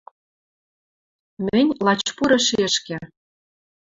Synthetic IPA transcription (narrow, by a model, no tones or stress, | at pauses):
mɘ̆nʲlɑt͡ɕpuɾɤ̆ʃeəʃkĕ